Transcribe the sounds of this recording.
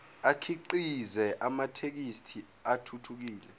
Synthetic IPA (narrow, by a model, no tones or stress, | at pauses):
akʰiǃizɛʔamatʰek̬istʰi | atʰutʰuk̬iːlɛ